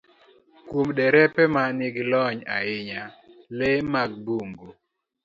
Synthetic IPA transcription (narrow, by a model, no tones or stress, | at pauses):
kwumdɛɾɛpɛmanɪɡɪlɔɲa̰ɪɲalemaɡ̚buŋɡo